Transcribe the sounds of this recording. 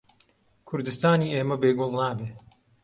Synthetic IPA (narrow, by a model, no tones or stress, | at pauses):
kʰʊɾd̪ɨst̪aːniːeːmɐbeːɡʊlˠnaːbeː